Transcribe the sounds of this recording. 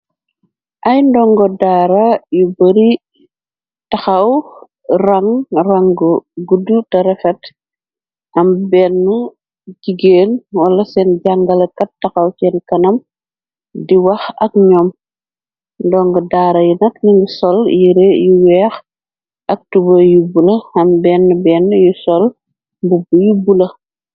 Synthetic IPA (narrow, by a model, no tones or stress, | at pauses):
ʔɐjndɔŋɡɔdaːɾɐjubɐɾi | tɐxɐw | rɐŋrɐŋɡɔɡudːutɐɾɛfɛt | ɐmbɛnːu | ɟiɡeːnwɐlɐsɛnɟaŋɡɐlɐkɐt̚tːɐxɐwsɛnkɐnɐm | diwɐxɐkɲɔm | ndɔːŋɡɐdaːɾɐjunɐkniŋɡusɔljiɾejuwɛːx | ʔɐk̚tubɐjubulɐɐmbɛːnːubɛːnːjusɔl | mbubujubulɐ